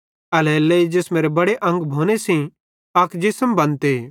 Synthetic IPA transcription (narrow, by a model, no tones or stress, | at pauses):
ɐlɛːleid͡ʒeːsmeːɾebɐɽeʔɐ̃ŋɡbʱoːnesĩ | ɐkd͡ʒɪsəmbɐ̃nt̪e